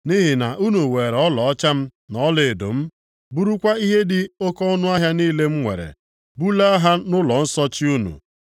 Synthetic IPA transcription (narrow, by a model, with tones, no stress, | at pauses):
ni˦ɦi˨na˨ʔu˦nu˨we˨ɾɔ˦lɔ˨ɔ˦t͡ʃa˦m̩˦nɔ˦le˨e˨do̰˨m̩˦ | bu˦ɾu˦kʷa˦i˦ɦe˦dɪ˨o˦kɔ˦ɔ˦nʊ˦a˦ɦja˦ni˦le˦m̩˦ŋʷḛ˨ɾḛ˨ | bu˦la˦a˦ɦa˦nʊ˦lɔ˨n̩˦sɔ˦t͡ʃɪ˦u˦nṵ˨